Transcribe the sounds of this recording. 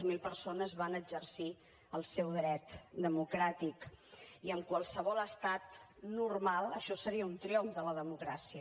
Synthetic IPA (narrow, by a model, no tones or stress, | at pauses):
zmilˠpəɾsonəzβanəd͡ʒərsi | əlˠsɛwðɾɛt̪d̪əmukɾat̪ikiəmkwəlˠsəβ̞ɔləst̪at̪nurmalˠəʃɔsəɾiəunt̪ɾioɱfðələðəmukɾasiə